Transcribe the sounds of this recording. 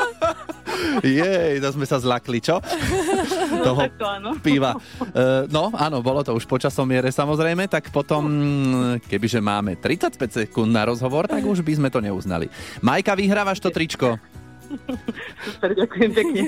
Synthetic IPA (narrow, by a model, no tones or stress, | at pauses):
jɛjt̪ɔzmɛsazlaklit͡ʃɔ | t̪ɔɦɔanɔpiːʋa | nɔaːnɔbɔlɔt̪ɔuʃpɔt͡ʃasɔmːɪɛɾɛsamɔzɾɛjmɛt̪akpɔt̪ɔm | kɛbiʒɛma̰ːmɛ̰t̪ɾit͡sacpɛcsɛkund̪naɾɔzɦɔʋɔɾt̪aɡuʒbizmɛt̪ɔɲɛuzna̰lḭmajkaʋiɦɾaːʋaʃt̪ɔt̪ɾit͡ʃkɔ | supɛɾɟakujɛmpɛkɲɛ